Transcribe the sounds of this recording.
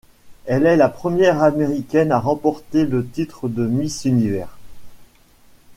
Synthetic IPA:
ɛlɛlapχəmjɛʁameʁikʲɛnaʁɑ̃pɔʁt̪elət̪it̪χəd̪əmisynivɛ̰ːʁ

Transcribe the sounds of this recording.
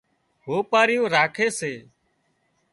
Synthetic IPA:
ɦoːpaːɾɪjũːɾaːkʰeːseː

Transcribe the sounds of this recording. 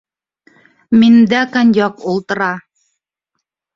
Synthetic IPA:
mind̪ækɑnjɑqulˠt̪ɤ̆ɾɑ

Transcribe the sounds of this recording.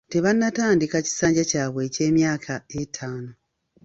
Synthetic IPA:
te̞βanːataːndikaci̥saːɲɟacaːβwe̞ːce̞ːmjaːkʰaetʰaːno

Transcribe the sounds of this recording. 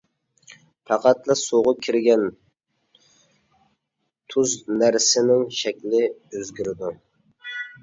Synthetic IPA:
pʰɑqɑt̪lˠɨsoʁʊkʲʰiɾɡʲɛn | t̪ʰuznæɾsɪnɪŋʃɛkʲlɪøzɡʲyɾɪd̪u

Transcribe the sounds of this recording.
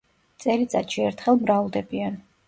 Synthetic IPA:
t̪sʼɛlit̪sʼa̰t̪ʃiɛɾt̪ʰχɛlˠmɾalˠd̪ɛbian

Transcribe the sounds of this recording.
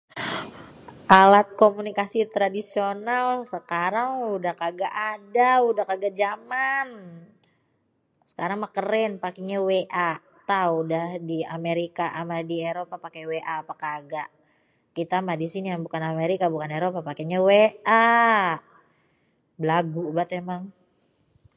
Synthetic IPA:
ʔalat̪̚komunikasit̪ɾadisionalsəkaɾaŋudahkaɡaʔadaudahkaɡaʔd͡ʒaman | sə̥kaɾaŋmakəɾɛnpakiɲaweʔa | t̪auudahdiameɾikaʔamadieɾopapakeweʔaːpakaːɡaʔ | kit̪amahdisinijaŋbukanameɾikabukaneɾopapakeɲaweʔa | bəlaɡubat̪emaŋ

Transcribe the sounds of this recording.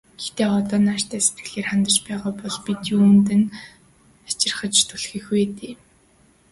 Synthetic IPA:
ɡ̥e̥xt̪eːɔt̪ɔːnar̥t̪ʰæːset̪̚ɡ̥ɘ̆ɮeːrχant̪ə̆rt͡ɕpæːʁʊːpɔɮpit̪juːnt̪̬ɘ̆n | at͡ɕɪ̆rχə̆t͡ɕt̪ʰʊɮxiːxeːt̪eː

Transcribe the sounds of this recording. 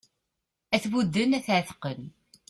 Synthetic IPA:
æθwud̪ːənæθʕθqən

